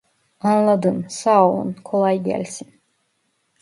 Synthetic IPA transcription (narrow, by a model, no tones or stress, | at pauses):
anlˠad̪ɯmsaːlˠṵnkʰo̞lˠajɟæ̰lʲsin